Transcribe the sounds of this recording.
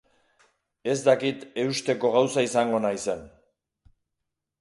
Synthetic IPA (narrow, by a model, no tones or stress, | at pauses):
e̞zd̪akit̪e̞ust̪e̞ko̞ɣawsaisaŋɡo̞najse̞n